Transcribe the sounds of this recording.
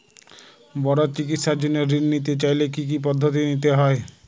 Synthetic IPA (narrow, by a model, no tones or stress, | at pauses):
bɔɽat͡ɕik̬it̪ʃaɾd͡ʑonːeɾɾinnit̪et͡ɕajlekik̬ip̬ɔd̪ʱːot̪̬init̪eɦɔe